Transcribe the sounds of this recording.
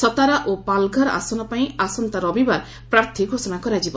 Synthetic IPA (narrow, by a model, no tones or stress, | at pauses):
sɔt̪aɾaʔopalɡʱɔɾa̰sɔnɔpaĩasɔnt̪aɾɔbibaɾ | pɾaɾt̪ʰiɡʱosɔnakɔɾad͡ʒibɔ